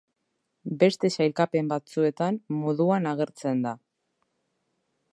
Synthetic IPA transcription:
be̞st̪e̞sajlkape̞mbat͡sue̞t̪ammoðuanaɣ̞e̞ɾt͡se̞nd̪a

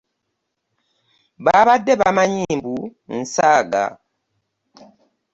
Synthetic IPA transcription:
babadɛbamaɲimbun̩saɡa̰

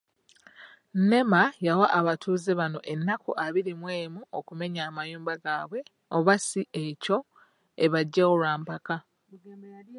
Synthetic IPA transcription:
ne̞majawaʔːβatuːzeβano̞ʔe̞nːakuʔaβiɾimwe̞ːmuokume̞ɲaːmajuːmbaɡaːβwe̞ | oβasiʔe̞co̞ | eβaɟːaolwaːmpaka

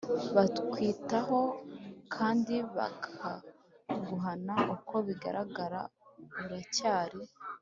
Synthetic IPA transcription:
βatkwiːtaho̞kʰaːndiβa̰kʰa | ɡuɦanauko̞βiɡa̰ɾʔaɡaɾa̰βuɾacaːɾi

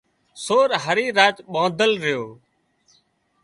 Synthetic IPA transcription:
soːɾɦəɾiːɾaːt͡ʃɓãːd̪ʱəlɾɪjoː

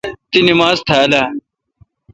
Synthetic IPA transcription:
t̪inimaːzt̪ʰɐɐlaː

